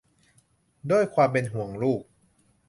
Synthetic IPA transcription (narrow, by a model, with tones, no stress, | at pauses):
du˥˩əjkʰwaː˧mpe˧nɦu˩˦əŋɾuː˥˩k̚